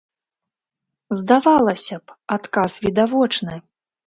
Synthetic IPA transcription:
zd̪avalˠɐsʲɐpat̪kasvʲid̪avɔt͡ʂnɨ

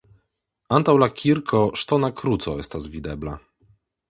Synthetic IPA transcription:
ant̪awlakʲʰiɾkʰɔʂt̪ɔnakɾut̪sɔɛst̪azvʲid̪ɛbla̰

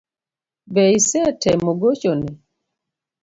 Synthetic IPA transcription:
bɛisɛtʰɛmoɡot͡ʃonɛ

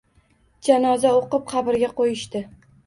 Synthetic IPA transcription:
d͡ʒanɒzaoqɨp̚qʰɑbɪɾɡʲaqʰojɪʃt̪ɪ

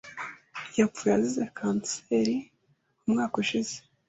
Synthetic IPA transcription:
jap̪fujazizekʰaːnseːɾi | umŋaːkuʃize

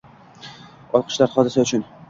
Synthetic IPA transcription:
ɒlˠqʰə̥ʃlaɾχɒd̪ɪsaʊt͡ʃʰʊn

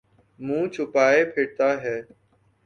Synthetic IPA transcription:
mũːt͡ʃʰʊpaːeːpʰeːʈ̚t̪aːɦɛː

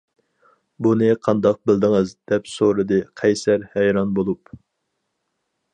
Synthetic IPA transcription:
bunɨqʰɑnd̪ɑq̚bɪld̪ɨŋɨzd̪̥ɛpsoɾɨd̪ɨqʰɛjsæɾhɛjɾɑnbolˠup

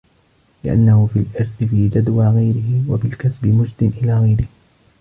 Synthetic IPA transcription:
lɪʔa̰nːahʊfilʔɪɾˤθɪfiːd͡ʒad̪waːɣajɾɪɦɪwabɪlkasbɪmʊd͡ʒd̪ɪnʔɪlaːɣajɾɪh

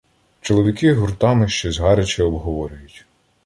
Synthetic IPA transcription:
t͡ʃɔlˠɔʋʲikɪɦʊrt̪ɑmɪʃt͡ʃɔzɦɑɾet͡ʃɪɔbɦɔʋɔɾʲʊjʊtʲ

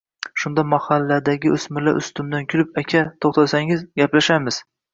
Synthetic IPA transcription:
ʃʊnd̪amahalːad̪aɡʲɪʊsmɪlaɾʔʊ̰st̪ʊmd̪ankʲʰʊlɪpakʲʰat̪ʰoχt̪ʰasaŋɪzɡʲaplaʃamɪz̥

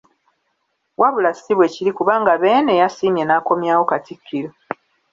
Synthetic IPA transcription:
wʔaβulasiβwe̞ciɾikuβaːŋɡaβeːnejasiːmje̞naːko̞mjaːwo̞katikʰːiɾo

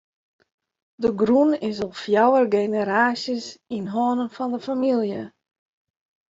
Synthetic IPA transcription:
dəɡrunɪsɔlˠfjawərɡejnəɾaːsjəsinɦoːnənfɔndəfamilˠjə

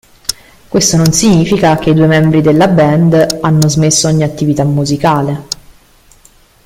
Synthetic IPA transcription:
kwest̪ononsiɲiːfikak̟eid̪uːemɛmbɾid̪elːabɛnd̪anːozmesːoɔɲːiat̪ːivit̪amːuzikaːle

